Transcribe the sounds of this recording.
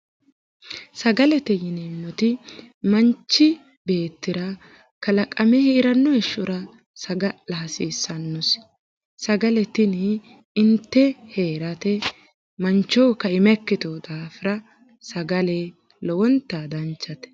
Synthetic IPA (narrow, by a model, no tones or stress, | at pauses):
sɐɡɐlɛt̪ɛjɪnemːɔt̪ɪmɐnt͡ʃːɪ | be̞ːt̪ːɪɾɐ | kɐlɐkʼɐmɛhɛɪɾɐnːɔɛʃːʊɾɐ | sɐɡɐlɐɐsiːsːɐnːʊs | sɐɡɐlɛt̪ɪnɪ | ɪnt̪ːɛheːɾɐt̪ɛ | mɐnt͡ʃːɔːkːɐɪmɛkːɪt̪od̪aːfɪɾɐ | sɐɡɐle | lɔwɔnt̪ːad̪ɐnt͡ʃːɐt̪ɛ̥